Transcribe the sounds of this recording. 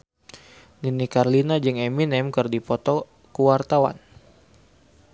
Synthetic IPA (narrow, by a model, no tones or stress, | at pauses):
ninikarlinad͡ʒɨŋɛminɛmkɨrdipɔt̪ɔ | kuwart̪awa̰n